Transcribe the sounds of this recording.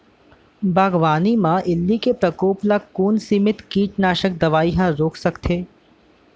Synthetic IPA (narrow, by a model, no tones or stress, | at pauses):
bʱaːɡʋaːnimãʔɪlːikepɾɐkoːplakuːnsimɪt̪kiːt͡ʃnaːʃək̚d̪ɐʋaːiɦãɾoːksɐkt̪ʰeː